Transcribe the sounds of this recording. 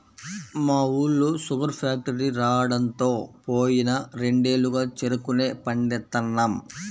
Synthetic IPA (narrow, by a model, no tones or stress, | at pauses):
maːuːɭːusupɐɾpʰaːk̚ʈɐɾiɾaːwɐɽɐnt̪o̞ːpoːjinɐɾe̞ɳɖe̞ːlːuɡaːt͡ʃeɾukune̞ːpɐɳɖɛt̪ːɐnːɐm